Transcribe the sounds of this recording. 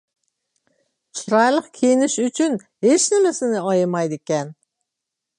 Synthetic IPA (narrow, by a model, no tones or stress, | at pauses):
t͡ʃʰiɾɑjlˠəqkʲʰenɪʃyt͡ʃʰyn | het͡ʃnɪmesɪnɪɑjəmɑjd̪ekʲɛn